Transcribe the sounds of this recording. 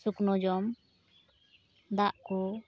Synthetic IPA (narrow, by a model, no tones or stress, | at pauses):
suknɔd͡ʒɔm | d̪aʔkɔ